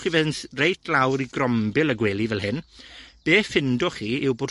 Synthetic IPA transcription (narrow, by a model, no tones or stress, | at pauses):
χivɛnsrejtʰlawɾiɡrɔmbɪlˠəɡweːlˠivɛlˠɦɪnb̥eːfɪndɔχiːɪwboːd